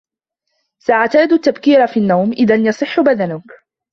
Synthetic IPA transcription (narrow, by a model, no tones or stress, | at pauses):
saʔaʕt̪aːd̪at̪ːabkiːɾafiːnːawmʔɪðanjɑsˤɨħːʊbaðanʊk